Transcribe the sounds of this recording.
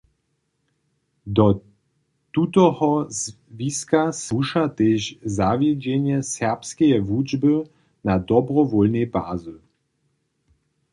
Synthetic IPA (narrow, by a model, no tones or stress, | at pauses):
d̪ɔ | t̪ut̪ɔhɔz | viskasuʃat̪eːʒzavjɛd͡ʑɛnjɛsɛʁpskɛjɛvud͡ʒbə | nad̪ɔbʁɔvɔlnɛjbaːzu